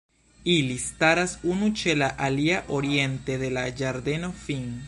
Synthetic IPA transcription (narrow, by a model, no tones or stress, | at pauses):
ilistaɾasunut͡ʃe̞laʔaliaʔo̞ɾie̞nt̪e̞ðe̞lad͡ʒaɾd̪e̞no̞fiŋ